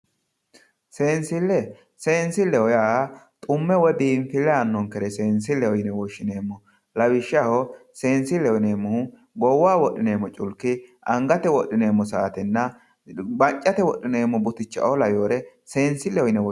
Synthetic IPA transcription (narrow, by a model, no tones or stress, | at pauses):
se̞ːnsɪlːɛ | seːnsɪlːɛwɔjaːt̪ʼʊmːɛwɔd̪iːnfɪlːɛɐnːɔŋkɛɾɛse̞ːnsɪlːɛwɔjɪnɛwɔʃːɪne̞ːmːɔ | lɐwɪʃːahɔse̞ːnsɪlɛwɪneːmːɔh | ɡɔwːaːwɔɗːɪneːmːɔt͡ʃʼʊlkːɪ | ɐŋɡɐt̪ɛwɔɗːɪne̞ːmːɔsaːt̪ɛnːɐ | bɐt͡ʃʼːɐt̪ɛwɔɗːɪne̞ːmːɔbʊt̪ɪt͡ʃːɐ̰ʔolɐjoːɾɛ | se̞ːnsɪlɛwɔjɪnɛw